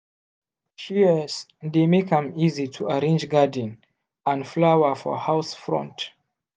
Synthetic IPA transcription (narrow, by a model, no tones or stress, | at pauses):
ʃizd̪emekhə̃mizitʰuəɹẽnd͡ʒɡadn̩ | ãnflawəfɔ̰haʊsfɹɔ̰̃nt